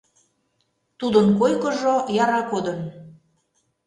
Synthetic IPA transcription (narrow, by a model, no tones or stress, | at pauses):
t̪ud̪ənkojkɤ̆ʒojɑɾɑkod̪ə̆n